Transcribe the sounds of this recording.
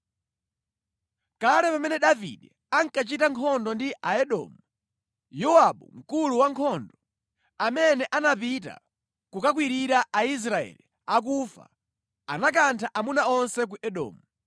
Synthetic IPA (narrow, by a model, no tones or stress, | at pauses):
kalɛpamɛnɛɗavḭɗɛ | aŋkat͡ʃitaŋkʰɔndɔndiʔaɛɗɔ̰ːmu | jɔaɓum̩kuluwaŋkʰɔndɔ | amɛnɛʔanapita̰ | kukakwiɾiɾaʔais̬ɾaɛ̰li | ak̬ufa̰ | anak̬antʰaʔamunaɔnsɛk̬uʔɛɗɔ̰ːmu